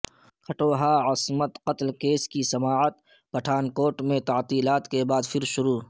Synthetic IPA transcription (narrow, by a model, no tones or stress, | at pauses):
kʰɐʈoːɦaːɐsmət̪qɐt̪lkeːskisɐmaːət̪ | pɐʈʰaːnkoːʈmẽt̪ɐʕt̪iːlaːt̪kebaːd̪fʰɪɾʃʊɾuː